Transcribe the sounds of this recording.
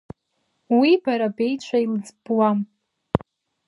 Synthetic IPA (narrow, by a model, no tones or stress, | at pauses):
wibaɾabe̞jt͡ʃʷʰailɨd͡zbwam